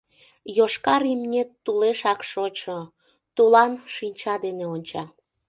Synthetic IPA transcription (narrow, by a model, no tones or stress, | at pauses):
joʃkɑɾimnʲet̪ːuleʃɑkʃot͡ɕo | t̪ulɑnʃinʲt͡ɕɑd̪eneonʲt͡ɕɑ